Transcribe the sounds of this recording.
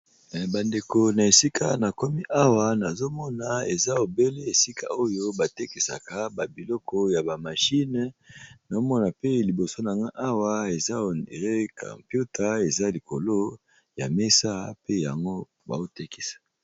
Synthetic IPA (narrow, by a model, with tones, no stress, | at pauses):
ba˨nde˨ko˨na˨e˨si˦ka˦na˨ko˦mi˦ʔa˦wa˨na˨zo˦mɔ˦na˨e˨za˦o˨be˦le˦e˨si˦kʰa̰˨o˦jo˦ba˨te˦ki˨sa̰˨ka˦ba˨bi˨lɔ˦kɔ˦ja˨ba˨ma˨ʃi˦n˦na˨o˦mɔ˦na˨pe˦li˨bo˨so˦na˨ŋɡa˦ʔa˦wa˦e˨za˦˨ʁe˦ka̰˨mpu˦ta˦e˨za˦li˨ko˨lo˦ | ja̰˨me˦sa˦pe˦ja̰˨ŋɡo˦ | ba̰˨o˦te˦ki̥˦sḁ˨